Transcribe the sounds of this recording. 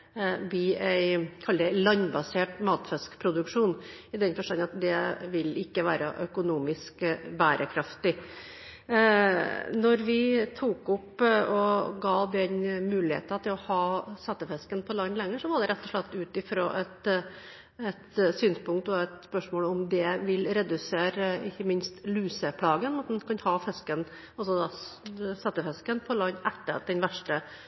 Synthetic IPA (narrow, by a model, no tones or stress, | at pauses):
biːæɪkʰɑlːd̪ɛlɑnːbɑseːʈmɑːt̪fɛskpʰɾʊd̪ʉkʂuːnɪd̪ɛnfɔʂʈɑnɑt̪d̪ɛʋɪlɪkːəʋæːɾə̰ʔœkʊnuːmɪskbæːɾʔəkʰɾɑft̪ɪ | nɔɾʋɪt̪ʰuːkʊpɔɡɑːd̪ɛnmʉːlɪhḛːt̪ɑt̪ʰɪlɔhɑːsɑt̪ːəfɛskənpʰɔlɑnːlɛŋːəʂɔʋɑɖ̪ɛɾɛt̪ːɔʂɭɛt̪ːʉːt̪ɪfɾo̰ːʔɛt̪ | ɛt̪syːnspʊŋk̚t̪ɔɛt̪spœʂmoːlɔmd̪ɛʋɪlɾɛd̪ʉseːɾɪçːəmɪnst̪lʉːsəpʰlɑːɡənɑt̪̚d̪ɛnkʰɑnhɑːfɛskən | ɑlsɔd̪ɑsɑt̪ːəfɛskənpʰɔlɑnːɛt̪ːəɾt̪d̪ɛnʋæʂʈə